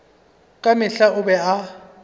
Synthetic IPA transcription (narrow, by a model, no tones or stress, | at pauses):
kʼamɪɬaʊbɛa